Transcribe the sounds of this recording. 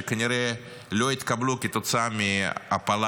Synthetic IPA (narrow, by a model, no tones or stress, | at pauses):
kənʲɪɾɛ | lʲojt̪ʲkablʲukʲɪt̪ɔt̪samʲiɐ̰pɐlˠ